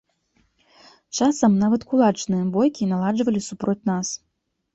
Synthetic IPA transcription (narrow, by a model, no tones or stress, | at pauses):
t͡ʂasɐmnavɐt̪kulˠat͡ʂnɨjɛbɔjkʲinalˠad͡ʐvɐlʲisupɾɔt͡sʲnas